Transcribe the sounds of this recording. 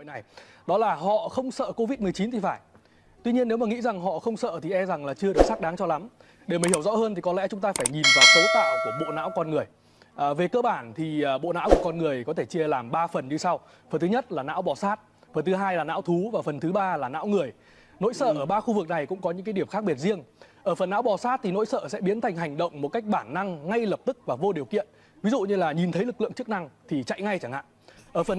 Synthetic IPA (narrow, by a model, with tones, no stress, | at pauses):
jna˨˩jɗɔ˨˦laː˨˩ɦɔ̰˧˨xə˧wŋ͡msə̰ː˧˨ko˧vi˦˥t̚mɨ˨˩əjt͡ɕi˨˦nt̪ʰi˨˩faː˧˩j | t̪wi˧ɲi˧ənːe˨˦wmaː˨˩ŋḭ˧˥za˨˩ŋɦɔ̰˧˨xə˧wŋ͡msə̰ː˧˨t̪ʰi˨˩ʔɛ˧mza˨˩ŋlaː˨˩t͡ɕɨ˧ə˧ɨ˨˩ək̚saː˦˥k̚ɗaː˨˦ŋt͡ɕɔ˧la˨˦m | ɗe˧˩maː˨˩hi˧˩əwzɔ̰˧˥həː˧nt̪i˨˩kɔ˨˦lɛ̰˧˥t͡ɕʊ˨˦ŋ͡mt̪aː˧faː˧˩jɲi˨˩nvaː˨˦wt̪o˨˦jt̪a̰ː˧˨wku˧˩əɓo̰˧˨na̰ː˧˥wkɔ˧nŋɨ˨˩əj | ʔəː˨˩ve˨˩kəː˧ɓaː˧˩nt̪ʰiː˨˩˨ɓo̰˧˨na̰ː˧˥wku˧˩əkɔ˧nŋɨ˨˩əjkɔ˨˦e˧˩t͡ɕi˧əlaː˨˩mɓaː˧fə˨˩nɲɨ˧sa˧w | fə˨˩nt̪ɨ˨˦ɲə˦˥t̚laː˨˩na̰ː˧˥wɓɔ˨˩saː˦˥t̚ | fə˨˩nt̪ʰɨ˨˦ɦaː˧jlaː˨˩na̰ː˧˥wt̪ʰu˨˦vaː˨˩fə˨˩nt̪ʰɨ˨˦ɓaː˧laː˨˩na̰ː˧˥wŋɨ˨˩əj | no̰˧˥jsə̰ː˧˩ʔəː˧˩ɓaː˧xu˧vɨ˨˩k̚na˨˩jkʊ̰˧˥ŋ͡mkɔ˨˦ɲɨ̰˧˥ŋkaː˨˦ɗi˧˩əmxaː˦˥k̚ɓi˨˩ət̚zi˧əŋʔəː˧˩fə˨˩nːa̰ː˧˥wɓɔ˨˩saː˦˥t̚t̪ʰi˨˩no̰˧˥jsə̰ː˧˨sɛ̰˧˥ɓi˨˦ənt̪ʰa˨˩jŋ̟ɦa˨˩jŋ̟ɗə̰˧˨wŋ͡mmo˨˩t̚ka˦˥jk̟̚ɓaː˧˩nːa˧ŋŋa˧jlə˨˩p̚t̪ɨ˦˥k̚vaː˨˩vo˧ɗi˨˩əwkḭ˧˨ən | vi˨˦zṵ˧˨ɲɨ˧laː˨˩ɲi˨˩nt̪ʰə˨˦jlɨ˨˩k̚lɨ̰˧˨əŋt͡ɕɨ˦˥k̚na˧ŋt̪ʰi˨˩t͡ɕa̰˧˨jŋa˧jt͡ɕaː˧˩ŋha̰ː˧˨ŋʔəː˧˩fə˨˩n